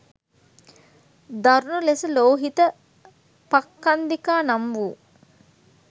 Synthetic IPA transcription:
d̪aɾunulesəloːɦit̪ə | pakːand̪ikaːnambuː

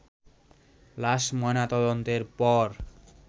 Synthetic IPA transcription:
laʃmɔjnat̪ɔd̪ont̪eɾpɔɾ

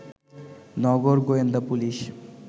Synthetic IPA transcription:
nɔɡoɾɡoend̪apuliʃ

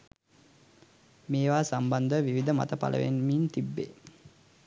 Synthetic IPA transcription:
meːʋaːsamband̪əʋiʋid̪əma̰t̪əpa̰lʔə̰ʋḛnmiːnt̪ibːḛː

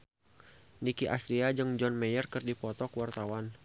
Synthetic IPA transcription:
nikiʔa̰st̪ɾiad͡ʒɨŋd͡ʒɔnmɛjərkɨrdipɔt̪ɔkwart̪awan

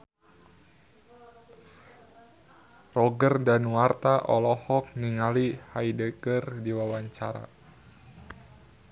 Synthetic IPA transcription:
rɔɡərdanwart̪aʔɔlɔhɔk̚niŋalihajdəkərdiwawaɲt͡ʃaɾa̰

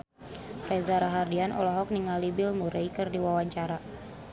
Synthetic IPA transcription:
rɛzaɾaɦardianʔɔ̰lɔɦɔk̚niŋalibɪlmuɾejkɨrdiwawaɲt͡ʃaɾa

